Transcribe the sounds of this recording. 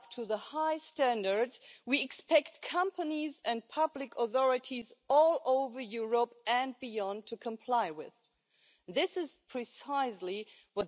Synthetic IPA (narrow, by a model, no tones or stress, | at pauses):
p̚tʰuðəhaɪstæ̃ndə˞dz̥wiɨkspɛk̚t̚kʰʌ̃mpənizɨ̃n̚pʰʌblɨkəθɔɹɨtʰizɔlˠoʊvə˞jʊɹəpɨ̃nbiɑ̃ntʰɨkʰə̃mpʰl̥aɪwɪ̰ð | ðɪsɨz̥pʰɹ̥ɨsaɪsliwʌ